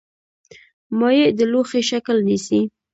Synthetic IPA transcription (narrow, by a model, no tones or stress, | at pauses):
mɑjed̪əloxeʃaklnisi